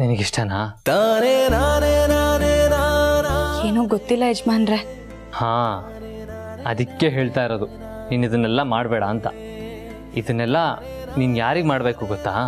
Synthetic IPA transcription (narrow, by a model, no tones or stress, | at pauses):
ninɐɡiʂʈɐnaːt̪aːneaneanea | eːnuːɡot̪ːilːɐɦed͡ʒmaːnɾe | haː | ɐd̪ikːe̞ɦe̞ːɭt̪aːiɾoːd̪u | niːnid̪ɐnːɛlːɐmaːɽbɛːɽɐːnt̪ɐ̰ | id̪ɐnːɛlːɐ | niːnjaːɾiːɡmaːɽbeːkuɡɔt̪ːaː